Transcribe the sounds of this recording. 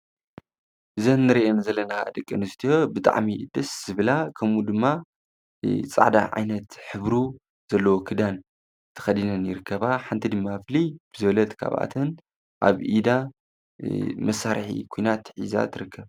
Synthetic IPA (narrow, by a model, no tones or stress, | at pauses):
ʔɨzɐnːɨɾiʔenzɐlːɐna̰d̪ɨkʼːɨnɨst̪ʰijo̞bɨt̪ʼa̰ʕmid̪ɐsz̥ɨβɨlakʰɐmud̪ɨmːa | t͡sʼa̰ʕd̪a̰ʕa̰jnɐt̪ħɨβɾu | z̥ɐlːɐwokʰɨd̪an | t̪ʰɨ̥xɐd̪inɐnjɪɾɨkːɐβaħant̪ʰid̪ɨmːaflib̥ɨzɨβɐlɐt̪kʰa̰βa̰t̪ʰɐn | ʔa̰βʔid̪a | mɐsːaɾħḭkʰojnat̪ħiza̰t̪ʰɨɾɨkʰːɐβ